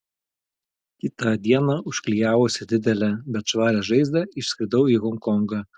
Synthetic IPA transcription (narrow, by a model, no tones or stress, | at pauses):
kʲɪt̪ɐd̪ʲiɛnɑʊʃʲklʲijæːʋoːsʲɪd̪ʲɪd̪ʲɛlʲɛbʲɛt̪ʃʋɑːɾʲɛʒɐɪzʲd̪ʲɐɪʃsʲkʲɾʲɪd̪ɐʊiːɣɔŋkɔŋɡɑ